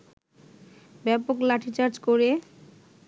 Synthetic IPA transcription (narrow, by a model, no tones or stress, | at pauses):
bɛpoklaʈʰit͡ɕaɾd͡ʑkoɾe